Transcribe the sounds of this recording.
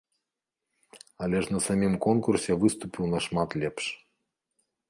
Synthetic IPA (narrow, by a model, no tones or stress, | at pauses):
ɐlʲɛʂnɐsamʲimkɔnkursʲɛvɨst̪upʲiwnɐʂmat̪lʲɛpʂ